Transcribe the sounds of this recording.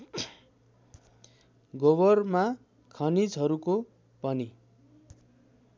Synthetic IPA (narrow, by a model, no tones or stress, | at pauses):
ɡobʌrma | kʰʌnid͡zɦʌɾuko | pʌni